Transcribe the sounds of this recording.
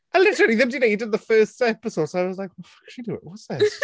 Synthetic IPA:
ʔəlɪtəɹl̩ˠiðɨ̃mdɨneɪdɪd̪̚ðəfɜˑstɛpɪsoʊd̥soʊaɪwʌzlaɪk̚wɔkʰʃidəɪ̰ʔwʌtsðɪt

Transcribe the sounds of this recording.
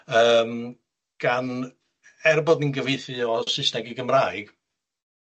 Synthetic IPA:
əːm | ɡ̥an | ɛrbɔdninɡəvejθɨɔsɪsnɛɡiɡəmraːjɡ̥

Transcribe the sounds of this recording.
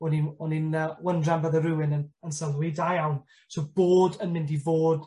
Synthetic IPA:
ɔninɔninəwəndrambəðəɾɨwɪnənənsəlˠwidajawn | soːb̥oːdənmɪ̃ndivoːd̥

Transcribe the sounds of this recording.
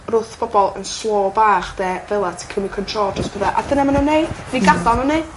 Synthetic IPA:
rʊθb̥ɔbɔlˠə̰nslˠoːbaːχd̥ɛːvɛlˠatʰi̥kʰrəmikʰəntʰroːlˠd͡ʒəstb̥əðaʔa̰dənɛmanəneɨdiɡadalˠnəne

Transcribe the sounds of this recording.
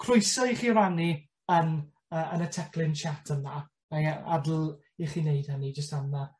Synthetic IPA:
kʰrʊjsɔiχiːɾani | ən | əʔənətʰɛkʰlˠɪnt͡ʃʰatʰəna | maa̰dl̩ˠ | iχineɨd̥anid͡ʒəstamna

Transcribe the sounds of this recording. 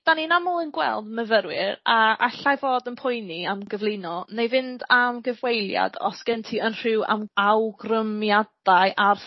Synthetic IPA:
d̥aninamɔlˠənɡwɛ̰lˠdməvəɾwɪɾaaɬajvoːdənpʰʊjniamɡəvlˠɪnɔnejvɪndamɡəvwejlˠja̰dɔ̰sɡ̥ɛntʰiənr̥ɪwa̰mawɡrəmjadajʔar

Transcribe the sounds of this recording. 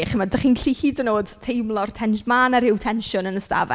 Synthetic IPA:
χəmadaχiːnɬihiːdənoːd̥tʰejmlˠɔrtʰɛnʃmaːnaɾɪwtʰɛnʃʊnənəsta̰vɛ̰

